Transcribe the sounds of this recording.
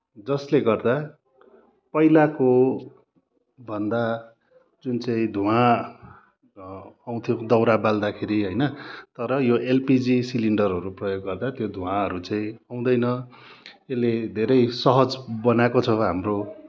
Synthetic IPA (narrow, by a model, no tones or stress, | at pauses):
d͡zʌsleɡʌrd̪a | pʌjlako | bʱʌnd̪a | d͡zunt͡saĩd̪ʱuã | aw̃t̪ʰjõd̪ʌwɾabald̪akʰeɾiɦʌjnʌt̪ʌɾʌjoʔelpid͡zisiliɳɖʌrɦʌɾuprʌjoɡːʌrd̪at̪jod̪ʱũãʌɾut͡saĩaw̃d̪ʌjnʌ | elːed̪ʱeɾʌjsʌɦʌd͡zbʌnakot͡sʰʌɦamro